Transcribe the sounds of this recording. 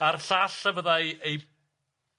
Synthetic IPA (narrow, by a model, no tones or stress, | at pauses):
arɬaɬavəðajej